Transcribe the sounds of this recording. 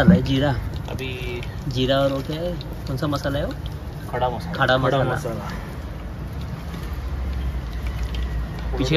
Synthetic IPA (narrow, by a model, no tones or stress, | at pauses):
alaed͡ʑiɾa̰bi | d͡ʑiɾaʋəɾoke | konsaməsalajeo | kʰaɽakʰaɽaməsaləa̰ala | pit͡ɕʰ